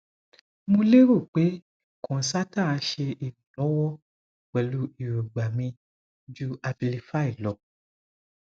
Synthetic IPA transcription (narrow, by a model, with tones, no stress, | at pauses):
mũ˧le˦ɾo˦˨k͡pe˨˦ | kɔ̃˨sa˦tã˦˨a˨˧˦ʃe˧i˨kũ˨lɔ̃˨˦wɔ˦ | k͡pɛ˨lu˨˦i˨ɾo˨ɡ͡ba˨mĩ˧ | d͡ʒu˦a˧bi˧li˧fa˦i˦˨lɔ˨